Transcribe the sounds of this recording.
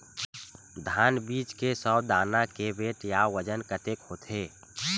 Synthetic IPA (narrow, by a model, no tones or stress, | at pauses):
d̪ʱaːnbiːt͡ʃkesɔbd̪aːnakebeːʈjawəd͡ʒənkət̪ekhoːt̪ʰeː